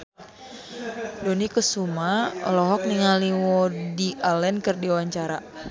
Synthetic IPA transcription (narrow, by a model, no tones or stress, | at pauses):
dɔnikəsumalɔɦɔk̚niŋaliwɔdiʔalɛnkɨrdiwaɲt͡ʃaɾa